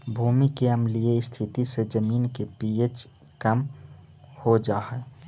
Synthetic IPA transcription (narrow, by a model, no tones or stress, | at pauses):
bʱuːmikeəmlieɪst̪ʰɪt̪ised͡ʒəmiːnkepiet͡ʃ | kəm | hod͡ʒaːɦɛ